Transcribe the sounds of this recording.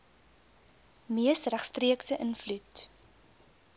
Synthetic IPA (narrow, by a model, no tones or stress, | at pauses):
miəsræχstriəksəʔənflut